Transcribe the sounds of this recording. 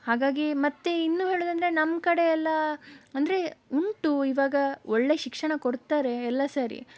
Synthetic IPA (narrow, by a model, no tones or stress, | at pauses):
haːɡaːɡimɐt̪ːeinːuːɦeːɭuːd̪ɐnd̪ɾe̞nɐmkɐɽe̞ɛlːɐɐnd̪ɐɾeuɳʈuiʋaːɡɐoɭːe̞ʃikʂɐɳɐkoɽt̪ːaːɾe̞ɛlːɐsɐɾḭ